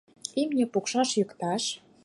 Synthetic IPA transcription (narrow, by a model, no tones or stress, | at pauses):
imnʲĕpukʃɑʃjykt̪ɑʃ